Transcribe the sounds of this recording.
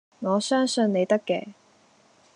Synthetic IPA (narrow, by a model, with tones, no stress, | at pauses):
ŋɔː˨˧sœː˥ŋsɵ˧nne˨˧jt̪ɐ˥kːɛ̰ː˧